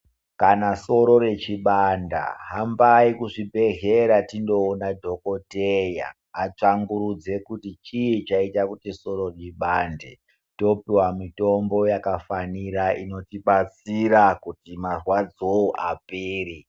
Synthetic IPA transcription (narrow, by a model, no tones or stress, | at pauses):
kanaso̞ɾo̞re̞t͡ʃiɓanda̰ɦambaikuʐibʱe̞ɦe̞ɾatindo̞ːnadʱo̞koteja̰ː | t͡ʂaŋɡuɾud͡ze̞kutit͡ʃit͡ʃaitakutiso̞ɾoriɓande | to̞piwamito̞mbo̞jakafaniɾaʔino̞tiɓat͡siɾakutimarwad͡zoʔapeːri